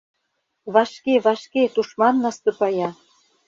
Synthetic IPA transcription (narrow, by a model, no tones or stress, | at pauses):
βɑʃkeβɑʃket̪uʃmɑnːɑst̪ɤ̆pɑjɑ